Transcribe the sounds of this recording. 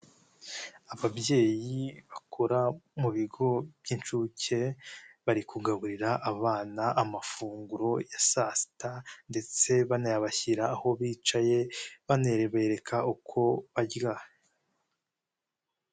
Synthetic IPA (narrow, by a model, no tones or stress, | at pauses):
aβabje̞ːjiβakʰoɾamuβiɡo̞βjint͡ʃuce̞βaɾikuɡaβuɾiɾaʔːβaːnaʔamafuːŋɡuɾo̞jasaːsi̥tande̞t͡se̞βanajaβaçiɾaːho̞βiːt͡ʃaje̞βane̞ɾeβe̞ɾe̞kʰaukʰo̞βaɟɡa